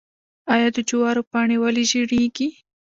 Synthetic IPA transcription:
ɑjɑd̪əd͡ʒʊwɑɾopɑɳewaliʒiɽeɡi

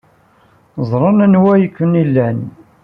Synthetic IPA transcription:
zˤɾˤənænwæjəkːənilːæn

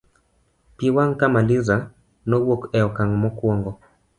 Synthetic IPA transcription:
piwaŋkamalɪza | nɔwokɛɔkaŋmɔkwoŋɡɔ

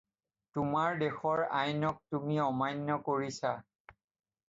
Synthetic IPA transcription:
tumaɹdexɔɹajnɔk̚tumiɔmajnːɔkoɹisa

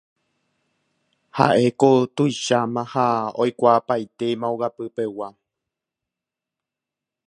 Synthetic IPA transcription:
ha̰ʔe̞kot̪ujʃamãhaojkʷaːpajt̪e̞mãoɡapɨpe̞wa

